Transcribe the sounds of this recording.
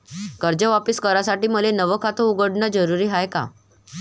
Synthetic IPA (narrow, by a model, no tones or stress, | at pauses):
kəɾd͡ʑəʋapiskəɾasaʈiːməlenəʋəkʰat̪ouɡəɽɳad͡zəɾuɾiːɦajka̰